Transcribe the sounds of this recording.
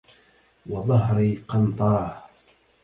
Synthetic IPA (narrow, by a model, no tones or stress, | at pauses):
wɑðˤɑɦɾiːqɑnt̪ˤɑɾˤɑːh